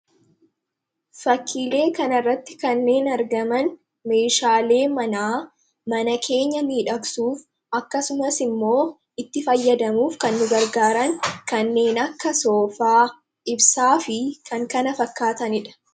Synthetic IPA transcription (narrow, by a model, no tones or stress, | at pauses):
fɐkʰːiːle̞ːkɐnɐrːɐt̪ːɪ̥kɐnːe̞ːnɐɾɡɐmɐn | me̞ːʃaːle̞ːmɐnaː | mɐnɐkʰe̞ːɲːɐmiːᶑɐksuːf | ɐkːɐsʊmɐsɪmːo̞ː | ɪt̪ːɪfɐjːɐd̪ɐmuːfkɐnːʊɡɐɾɡaːɾɐŋkɐnːe̞ːnɐkːɐso̞ːfaː | ʔɪbsaːfɪkʰɐŋkɐnɐfɐkːaːt̪ɐnɪᶑɐ̥